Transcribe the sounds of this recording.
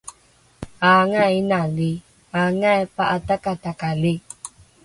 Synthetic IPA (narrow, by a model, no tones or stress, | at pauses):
aŋainalɪ | aŋaɛpaʔat̪akat̪akalɪ